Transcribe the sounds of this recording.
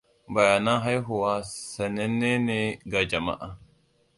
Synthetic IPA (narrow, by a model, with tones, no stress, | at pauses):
ba˨ja˨na˦ɦa˦jɦʊ˨wa˦sa˨ne˦nːe˦ne˦ɡa˨d͡ʒa˨ma̰˦ʔa˨